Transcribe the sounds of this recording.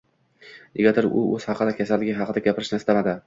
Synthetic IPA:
jeɡʲat̪ʰɪɾʊ̰ɵz̥hɑqʰɨd̪akʲʰasalːɪɡʲɪɦɑqʰɨd̪aɡʲapʰɪɾɪʃnɪst̪amad̪ɪ

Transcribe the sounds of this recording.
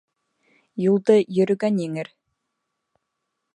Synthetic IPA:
julˠd̪ɤjɵ̆ɾɵ̆ɡænjeŋɘɾ

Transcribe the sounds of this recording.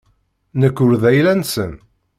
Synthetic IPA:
nəkːʊɾðæjlænsə̰n

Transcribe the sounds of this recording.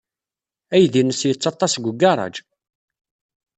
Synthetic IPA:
æjðinəsjət͡sːɑt̪ˤːɑsɡʷəɡɑɾˤɑ̰d͡ʒ

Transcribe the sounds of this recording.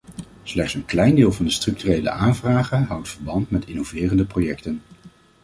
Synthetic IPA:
slɛχtsənklɛjndɪːlˠvɑndəstrɵktyrejlə̰ʔaːnvraːχənɦɑwtfəɹbɑntmɛtɪnovɪːrəndəprojɛktən

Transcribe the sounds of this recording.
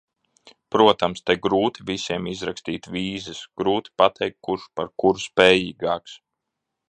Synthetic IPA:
pɾuɔt̪amst̪aɡɾuːt̪ivisiɛmizɾakst̪iːt̪viːzɨsɡ̥ɾuːt̪i̥pat̪ʰɛjk̚t̪̚kuɾʃpaɾkuɾspɛːjiːɡɑːks

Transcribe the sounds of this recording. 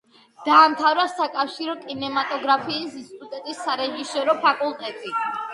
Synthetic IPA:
d̪̥aːmt̪ʰavɾasakʼafʃiɾɔkʼinɛmat̪ʼɔɡɾapʰiːsinsʰi̥t̪ʼut̪ʼɛt̪ʼisːaɾɛʒisɔɾɔpʰakʼulˠt̪ʼɛt̪ʼi

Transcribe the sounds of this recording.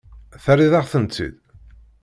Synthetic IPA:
θæriðaʁθənt͡sːḭð

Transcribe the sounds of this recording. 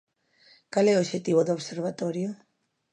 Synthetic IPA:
kalɛoʃet̪iβ̞oðoβseɾβat̪oɾjo

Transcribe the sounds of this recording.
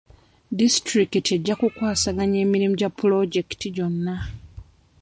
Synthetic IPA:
distɾikite̞ɟːakukwaːsaɡaɲe̞ːmiɾimuɟapːulo̞ɟe̞ktiɟo̞nːa

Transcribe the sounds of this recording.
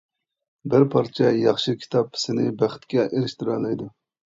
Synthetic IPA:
bɪɾpʰɑɾt͡ʃʰɛjɑχʃikʲʰi̥t̪ʰɑp̚ʰːɪ̥sɪnɪbæχt̪kʲɛʔeɾɪʃt̪ɪɾɑːlɑjd̪u

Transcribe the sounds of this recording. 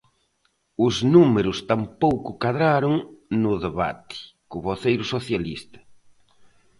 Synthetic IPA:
ʊznumeɾʊst̪ampowkʊkaðɾaɾʊŋnʊðeβa̰t̪ɪ̥ | kʊβoθejɾʊsoθjalḭst̪ɐ̥

